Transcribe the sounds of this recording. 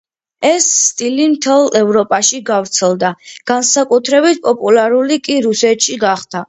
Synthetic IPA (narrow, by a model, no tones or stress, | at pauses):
ɛsːt̪ʼilimt̪ʰɛlˠɛvɾɔpʼaʃiɡavɾt̪sʰɛlˠd̪aɡ̥ansakʼut̪ʰɾɛbit̪̚ʰpʼɔpʼulaɾulikʼiɾusɛt̪ʼʃiɡaχd̪̥a